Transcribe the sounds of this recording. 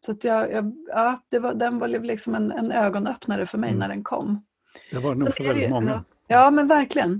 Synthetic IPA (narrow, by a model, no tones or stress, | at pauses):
sat̪jɑːjɑːɑːd̪̥ɛvad̪ɛnvalɪlɪksɔmɛnɛ̰nøːɡɔnœpnaɾəfœɾmɛ̰jnæɖɛnkʰɔ̰mː | d̪̥ɛhvanuːfœɾvɛldɪt̪mɔŋːa | jɑːmɛnvæɾklɪɡən